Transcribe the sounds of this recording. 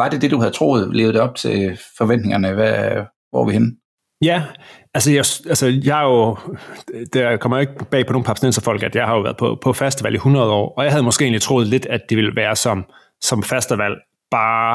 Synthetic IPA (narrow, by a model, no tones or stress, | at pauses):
ʋɑ̈d̥e̝d̥e̝d̥uhæð̩ˠt͡sʰʁo̝̰ːð̞̩ˠle̝ːð̩̥ˠɒ̽b̥̚t͡sʰe̝fɒ̽ʋen̰d̥ne̝ŋɐnəʋæ | b̥ɒ̰ːʋihen | jæælsəjɑɪsælsəjɑ̈ɪjo̝ | d̥ækʰɒ̽mɐjoe̝ɡ̥̚b̥ɛ̰ːpʰɒnoːn̩pʰɑ̈sinensɐfɒ̽l̰ɡ̥æd̥jɑ̈ɪhɑ̈jo̝ʋæːɐðˠpʰɒpʰɒ̽fæsd̥əʋæl̰ihunʁɐð̞̩ˠɒ̰ːɒ̽jɑ̈ɦæðˠmɒ̽sɡ̥e̝e̝̰ːnlit͡sʰʁo̝ːð̞̩ˠle̝d̥æd̥d̥iʋe̝lʋæːɐsɒ̽m | sɒ̽mfæsd̥əʋæl̰ | b̥ɑ̈ː